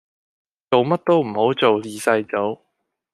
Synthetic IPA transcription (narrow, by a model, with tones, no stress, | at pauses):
t͡so˨˧wmɐ˥t̚t̪o˥wm̩˨˩ho˨˥wt͡so˨wjiː˨sɐ˧jt͡so˨˥w